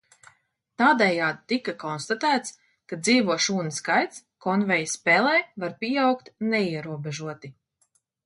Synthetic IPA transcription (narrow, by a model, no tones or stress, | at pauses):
t̪aːd̪ɛjaːd̪̚t̪ːikakɔnst̪at̪æːt̪s | kad̪ziːvuɔʃuːnɨskajt̪skɔnvɛjspɛːlˠɛːvaɾpʲiawkt̪nɛiɛɾuɔbɛʒuɔt̪i